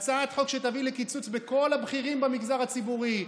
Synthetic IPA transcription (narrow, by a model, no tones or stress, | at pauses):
t͡saat̪χo̞kʃet̪avilekit͡sut͡sbeko̞labχiʁimbamiɡzaʁat͡sibuʁi